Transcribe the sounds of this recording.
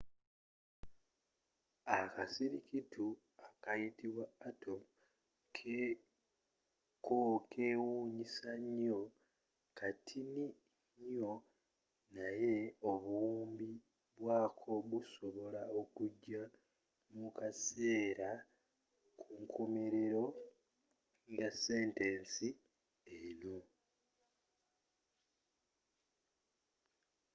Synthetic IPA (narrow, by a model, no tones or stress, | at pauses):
akasiɾikitʰu | akajitiβwaːtʰom | kʰe | kokʰe̞ːwuːɲisaɲo̞ | kʰatʰini | ɲo̞ | naje̞oβuːmbi | βwaːkʰo̞βuso̞βo̞laokuɟːa | mukase̞ːɾa | kʰuŋkʰomeɾe̞ɾo̞ | ŋjase̞ːnteːnsi | eno